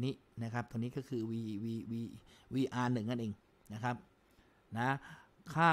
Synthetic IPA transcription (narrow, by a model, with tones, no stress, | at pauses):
niː˦˥ | na˦˥kʰɾa˦˥p̚t̪o˧ŋniː˦˥kɔː˥˩kʰɯː˧wiː˧wiː˧wiː˧wiː˧ʔaː˧nɯ˨˩ŋːa˥˩nʔeː˧ŋ | na˦˥kʰa˦˥p̚ | na˦˥kʰaː˥˩